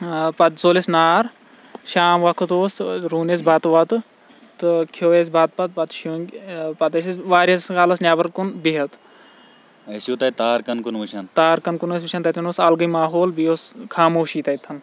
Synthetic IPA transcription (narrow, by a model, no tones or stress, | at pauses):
pɐt̪zoːlisnaːɾ | ʃaːmʋɐkʰɨt̪oːsɾuːnes̬baːt̪ʋɐt̪ɨ | t̪ɨkʰoːjes̬ʲbaːt̪̚pɐt̪̚pɐt̪ʃoŋɡʲpɐt̪ɐsisʋaːɾʲɐskaːlɐsnʲaːbɐɾkunbiɦɐt̪ | ɐjsjuːt̪ɐit̪aːɾkɐnkunʋuʃɐnt̪aːɾkɐnkunus̬ʋuʃʰʲant̪ɐt̪inoːsɐlɡɨjmaːɦoːlbijoːskʰaːmoːʃiːt̪ɐjt̪ʰːɐn